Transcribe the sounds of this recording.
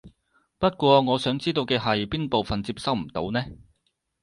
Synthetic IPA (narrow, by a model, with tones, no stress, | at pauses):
pɐ˥t̚kʷɔː˧ŋɔː˨˧sœː˨˥ŋt͡siː˥t̪o˧wkɛː˧ɦɐ˨jpiː˥npo˨wfɐ˨nt͡siː˧p̚sɐ˥wm̩˨˩t̪o̰˨˥wnɛː˥